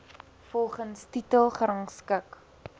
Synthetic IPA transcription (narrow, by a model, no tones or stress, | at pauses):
fɔlˠχənstitəlˠχəɾɐŋskək